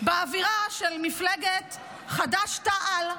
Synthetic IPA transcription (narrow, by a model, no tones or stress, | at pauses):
beaviʁaʃelmifleɡet | χadaʃtaʔal